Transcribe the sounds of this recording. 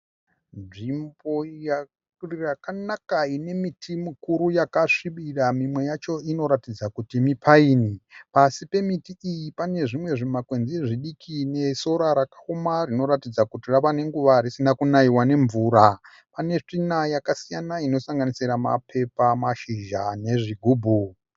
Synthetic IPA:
nʐimbo̞ja | rirakanakaine̞mitʰimukuɾujakaʂiɓiramimwe̞jat͡ʃo̞ino̞ɾatid͡zakutimipʰaiːnipasipe̞mitiijipane̞ʐimwe̞ʐimakwe̞nziʐiɗikʰine̞so̞ɾaɾakḁomarino̞ɾatid͡zakutiraʋane̞ŋɡuʋaɾisinakunaiwane̞ɱvuːɾa | pane̞t͡ʂinajakasijanaino̞saŋɡanisiɾama̰pʰe̞pamaʃiʒane̞ʐiɡʱuːbʱu

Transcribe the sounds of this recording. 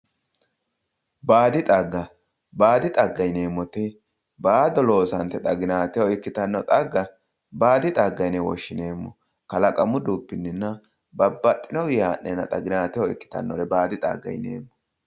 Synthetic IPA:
baːd̪ɪt̪ʼɐɡːɐ | baːd̪ɪt̪ʼɐɡːɐjne̞ːmːɔt̪ɪ | baːd̪ɔlo̞ːsɐnt̪ːɛt̪ʼɐɡɪnaːt̪ɪjɔɪkːɪt̪ɐnːɔt̪ʼɐɡːɐ | baːd̪ɪt̪ʼɐɡːɐjnɛwɔ̰ʃːɪne̞ːmːɔ̰ | kɐlɐkʼɐmʊd̪uːpːɪnːɪnːɐ | bɐbːɐt̪ʼːɪnɔwɪjaːʔːenɐ̰t̪ʼɐɡɪnaːt̪ɪjɔɪkːɪ̥t̪ɐ̰nːɔ̰ɾɛbaːd̪ɪt̪ʼɐ̰ɡːɐ̰jnḛːmːɔ̥

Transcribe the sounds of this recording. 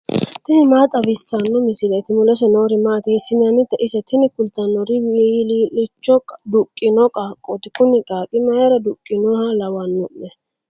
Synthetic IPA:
t̪ɪnɪmaːt̪ʼɐbɪsːɐnːɔmɪsɪlɛt̪ɪmʊlɛs̬ɛnoːɾɪmaːt̪esɪnɐnɪt̪ːɐʔɪsɛt̪ʰɪnɪkʊlt̪ːɐnːɔɾɪwlilɪt͡ʃːɔkʼd̪ʊkʼːɪnɔkʼɐkʼːɔt̪ɪkʊnɪkʼaːkʼɪmɐjɐɾɐd̪ʊkʼːɪnɔhɐlɐwɐnːɔʔnɛ

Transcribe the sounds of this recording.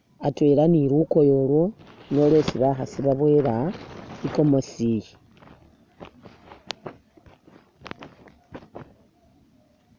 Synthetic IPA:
atwe̞laniɾuko̞jolwo̞nolesiβaxasiβaβwe̞ɾaiko̞mosiji

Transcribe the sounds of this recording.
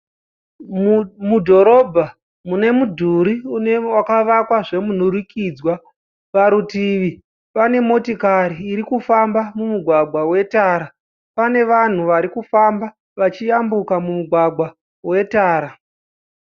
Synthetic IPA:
mudʱo̞ɾo̞bʱa | mune̞mudʱuɾiunewakaʋakwaʐe̞mun̤urikiːd͡zwa | ʋaɾutiʋi | pane̞mo̞tikaɾiːɾikufambamumuɡʱwaɡwawe̞taːɾa | pane̞ʋan̤uʋaɾikufamba | ʋat͡ʃijambukamumuɡʱwaɡʱwa | we̞taːɾa

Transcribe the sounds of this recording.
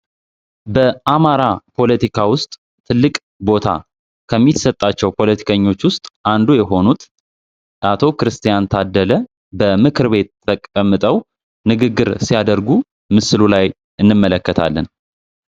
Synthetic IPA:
bəʔamaɾapʰo̞lət̪ikʰawʊst̪ʼ | t̪ʰɨlːɨkʼ | bo̞t̪ʰa̰ | kʰəmːisət̪ʼːat͡ʃːɛwpʰo̞lət̪ʰi̥kʰəɲːo̞t͡ʃːwʊst̪ʼand̪ujɛɦo̞nut̪ | ʔat̪ʰo̞kɾɨst̪ʰijant̪ʰad̪ːələ | bəmɨkʰɨɾbe̞t̪ʰːəkʼəmːɨt̪ʼəw | nɨɡɨɡːɨɾsijad̪əɾɡu | mɨsɨlulaj | ʔɨnːɨmːələkːət̪ʰa̰lːə̰n

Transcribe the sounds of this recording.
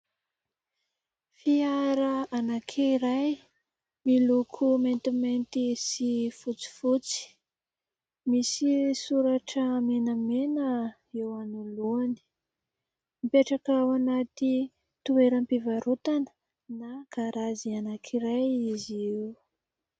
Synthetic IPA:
fiaɾaanakʰiɾaj | milukʰument̪iment̪isifut͡si̥fut͡si̥ | misisuɾaʈ͡ʂəmenəmenə | ewanuluani̥ | mipeʈ͡ʂakːwanat̪i | t̪ueɾəmpivaɾut̪anə̥ | nakaɾazianakʰiɾajizi

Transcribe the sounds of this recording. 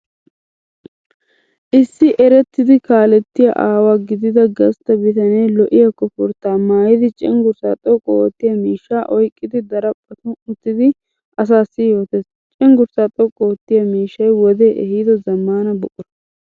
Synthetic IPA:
ʔɪsːɪʔɛɾɛt̪ːɪd̪ɪkaːlɛt̪ːɪjɐ̰ʔaːwaɡɪd̪ɪd̪ɐɡɐst̪ɐbɪt̪ɐneːlɔʔɪjɐkːɔpʊɾt̪aːmaːjɪd̪ɪt͡ʃʼɛŋɡʊɾsaːt̪ʼɔkʼːɔɔt̪ːɪjɐmiːʃːaːʔɔjkʼːɪd̪ɪd̪ɐɾɐpʼːɐt̪ʊʊt̪ːɪd̪ɪ | ɐs̬aːsːɪjoːt̪es | t͡ʃʼɛŋɡʊɾsaːt̪ʼɔkʼːɔwɔt̪ːɪjɐmiːʃːɐjwɔd̪e̞ːʔɛhid̪ɔzɐmːaːnɐbɔkʼːɔ

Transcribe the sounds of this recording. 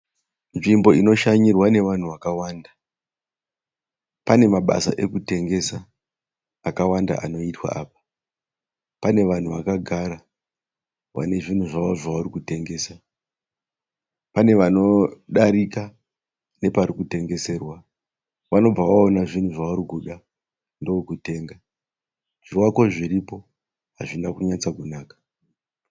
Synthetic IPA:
nʐimbo̞ino̞ʃaɲirwane̞ʋan̤uʋakawaːnda | pane̞maɓa̰sa̰ʔekute̞ŋɡe̞saː | kawanda̰ʔano̞itwa̰aːpḁ | pane̞ʋan̤uʋakaɡʱaɾa | ʋa̰ne̞ʐin̤uʐaʋoʐaʋurikute̞ŋɡe̞ːsa | pane̞ʋano̞ɗaɾika | ne̞paɾikute̞ŋɡe̞se̞rwa | ʋano̞b͡vaʋaonaʐin̤uʐaʋuɾikuɗa | ndo̞okute̞ːŋɡa | ʐ̥iwako̞ʐiɾipo̞ | ɦaʐindakuɲat͡sakunaːkḁ

